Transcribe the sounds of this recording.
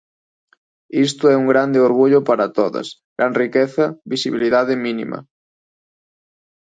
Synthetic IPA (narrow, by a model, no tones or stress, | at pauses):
ist̪oɛuŋɡɾand̪eoɾɣ̞uʎopaɾat̪oðɐ̰sɡɾanrikeθɐβisiβiliðað̞eminḭma̰